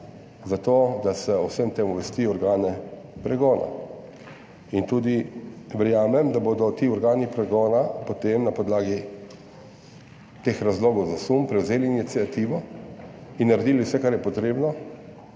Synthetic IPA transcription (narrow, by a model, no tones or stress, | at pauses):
zat̪oːd̪asɛɔwsəmt̪eːmuʋɛst̪iːɔɾɡaːnɛ | pɾɛɡɔːna̰ | int̪uːd̪iʋɛɾjaːmɛmd̪aboːd̪ɔt̪iːɔɾɡaːnipɾɛɡɔːnapot̪emnapɔd̪laːɡi | t̪eːxɾazloːɡɔwzasumpɾɛwzeːliːnit̪siat̪iʋɔ | inːaɾed̪iːliwsɛkaɾjɛpɔt̪ɾeːbnɔ